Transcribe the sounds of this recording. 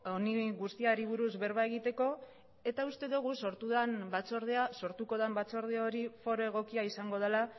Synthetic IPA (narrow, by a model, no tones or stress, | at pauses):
o̞niɣust̪iaɾiβ̞uɾuzβe̞ɾβae̞ɣ̞it̪e̞ko̞ | e̞t̪aust̪e̞ðuɣ̞uso̞ɾt̪uðambat͡so̞ɾð̞easo̞ɾt̪uko̞ð̞ambat͡so̞ɾð̞eaoɾifo̞ɾo̞e̞ɣ̞o̞kiaisaŋɡo̞ð̞ela